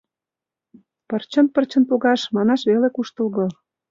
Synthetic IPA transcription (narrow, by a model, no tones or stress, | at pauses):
pərt͡ɕə̆npərt͡ɕə̆npoɣɑʃmɑnɑʃβelekuʃt̪ə̆lɣɤ̆